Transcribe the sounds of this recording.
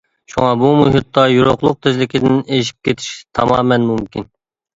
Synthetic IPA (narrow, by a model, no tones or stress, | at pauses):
ʃṵŋɑbumuɦʊt̪ʰːɑjuɾoqlˠʊq̚t̪ʰɪzlɪkʲʰid̪ɪneʃ̬i̥p̚kʲʰet̪ʰi̥ʃt̪ʰɑ̰mɑ̰ːmɛnmumkʲʰin